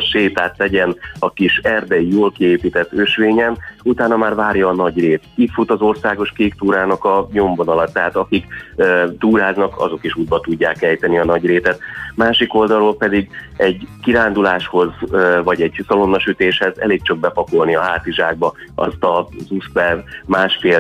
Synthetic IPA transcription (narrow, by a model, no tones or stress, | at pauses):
ʃeːt̪aːt̪lɛɟɛnɒkiʃɛrd̪ɛjijoːlkieːpiːt̪ɛt̪ːøʃʋeːɲɛnut̪aːnɒmaːrvaːrjɒːnɒɟreːt̪it̪fut̪ɒzo̞rsaːɡo̞ʃkeːkt̪uːɾaːnɒkɒɲo̞mvonɒlɒt̪ːɛɦaːt̪ɒkikːt̪uːɾaːznɒkɒ̰zo̞kiʃuːd̪̚bɒt̪uɟːaːkɛjt̪ɛniɒnɒɟreːt̪ɛt̪maːʃiko̞ld̪ɒloːlpɛd̪iɡɛɟkiɾaːnd̪ulaːʃho̞zvɒɟɛɟsɒlo̞nːɒʃyt̪eːʃhɛzɛ̰leːk̚t͡ʃɒɡ̚bɛpɒko̞lniɒɦaːt̪iʒaːɡ̚bɒɒ̰st̪ɒzuspɛrmaːʃfeː